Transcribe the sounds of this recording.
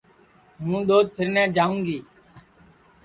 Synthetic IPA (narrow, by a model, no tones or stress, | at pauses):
ɦũːɗ̪oːd̪̚pʰɪɾnɛ̃ːd͡ʒaːũːŋɡiː